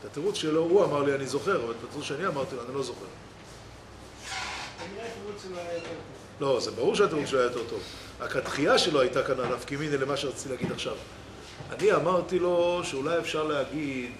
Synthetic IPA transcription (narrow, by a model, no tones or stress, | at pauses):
tat̪eʁut͡sʃelo̞uamaʁlianizo̞χe̞ʁavalpat̪eʁufʃeaniamaʁt̪iloanilo̞zo̞χe̞̰ʁ | zaniʁat̪eʁut͡sʃeloajajot̪eʁt̪ovlo̞zebaʁuʁʃeateʁut͡seloajajot̪e̞ʁto̞v | akat̪χiaʃe̞loajtakananafkiminele̞maʃeʁat͡si̥tileaɡid̪aχʃav | a̰niamaʁt̪ilo̞ʃeulajefʃaʁleɦaɡid̪